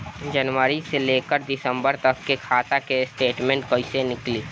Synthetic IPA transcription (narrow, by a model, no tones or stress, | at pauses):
d͡ʒɐnwəɾiseleːkəɾd̪ɪsə̃mbəɾt̪ɐkːekʰaːt̪akesʈeːʈmẽːɳʈkɐisenɪkliː